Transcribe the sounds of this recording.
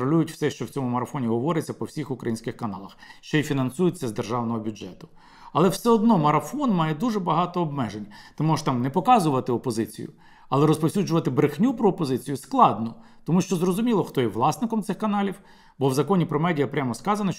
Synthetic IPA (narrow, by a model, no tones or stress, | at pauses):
ɾɔlʲujʊtʲw̥sɛʃt͡ʃɔwt͡sʲɔmʊmɐɾɐfɔnʲiɦɔʋɔɾɪt͡sʲːɐpɔwsʲixʊkɾɐ̰jinsʲkɪxkɐnɑ̰lˠɐxʃt͡ʃɔjifʲinɐnsujɪt͡sʲːɐzd̪erʒɑwnɔɦɔbʲʊd͡ʒɛt̪ʊ̥ | ɐlˠɛwsɛɔd̪nɔmɐɾɐfɔnmɑjɛd̪uʒɛbɐɦɑt̪ɔːbmɛʒenʲɐt̪ɔmuʃt̪ɑmnɛpɔkɑzʊʋɐt̪ɪɔpɔzɪt͡sʲḭjʊ̰ | ɐlˠɛɾɔspɔwsʲud͡ʒʊʋɐt̪ɪbɾɪxnʲupɾɔːpɔzɪt͡sʲijʊsklˠɑd̪nɔ | t̪ɔmuʃt͡ʃɔzrɔzʊmʲilˠɔxt̪ɔjɛʋlˠɑsnɪkɔmt̪sɪxkɐnɑlʲiw | bɔwzɐkɔnʲipɾɔmɛdʲijɐpɾʲamɔskɑzɐnɐ